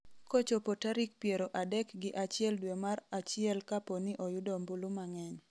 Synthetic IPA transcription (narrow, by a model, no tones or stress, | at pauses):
kot͡ʃopotaɾik̚pjeɾoʔadɛkɡɪʔat͡ʃɪɛldwemaɾat͡ʃɪɛlkaponɪʔojʊdombulumaŋɛɲ